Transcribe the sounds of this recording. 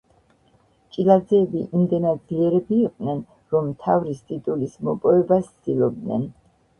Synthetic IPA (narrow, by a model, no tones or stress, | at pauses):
t͡ʃʼilad̪zɛːbiʔimd̪ɛnad̪ziɛɾɛbiːqʼnɛn | ɾɔmːt̪ʰavɾist̪ʼit̪ʼulismɔpʼɔɛbast̪d̪ilˠɔb̚d̪nɛ̰n